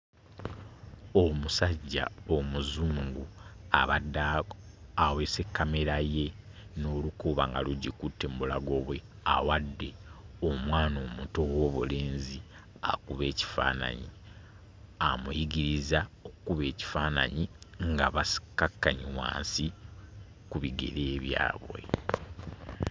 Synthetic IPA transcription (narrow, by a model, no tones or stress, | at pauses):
o̞musaɟːa̰omuzuːŋɡuaβada | awe̞se̞kːame̞ɾaje̞no̞ːlukuβaŋɡa̰luɟikutːeːmbulaɡo̞βwe̞ | a̰wadːe̞omwaːnomuto̞wo̞ːβule̞ːnzi | a̰kuβe̞ːci̥fa̰ːna̰ɲi | amujiɡiɾizaokukuβe̞ːci̥faːna̰ɲiŋɡaβasi̥kakːaɲiwa̰ːnsi | kuβiɡḛɾeːβja̰ːβwḛ